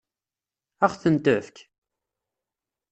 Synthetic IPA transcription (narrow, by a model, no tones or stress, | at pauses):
æχθənt̪əfk